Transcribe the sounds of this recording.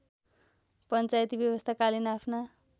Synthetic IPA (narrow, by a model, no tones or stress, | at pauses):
pʌnt͡sajt̪ibjʌβʌst̪ʰakalinapʰna